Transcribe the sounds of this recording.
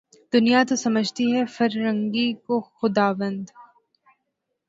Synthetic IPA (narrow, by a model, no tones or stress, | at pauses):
d̪̥ʊnijat̪osɐməd͡ʒʱt̪iɦɛfɐɾːə̃ŋɡikoxʊd̪aːʋə̃nd̪